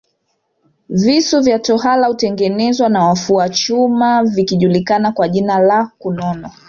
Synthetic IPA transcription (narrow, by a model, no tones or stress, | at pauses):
visuvjatɔhalahutɛŋɡɛnɛzwanawafuat͡ʃumavikiʄulikanakwaʄinalakunɔnɔ